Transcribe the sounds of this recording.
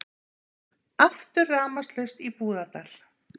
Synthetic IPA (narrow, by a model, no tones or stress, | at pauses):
aft̪ʏɾːaːmast̪lœst̪ipuːðat̪al̥